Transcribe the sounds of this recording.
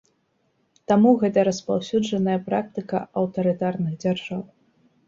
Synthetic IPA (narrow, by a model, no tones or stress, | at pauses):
t̪amuɣɛt̪ɐɾɐspawsʲud͡ʐɐnɐjɐpɾak̚t̪ɨkɐ̰ɐwt̪ɐɾɨt̪arnɨɣd͡zʲarʐaw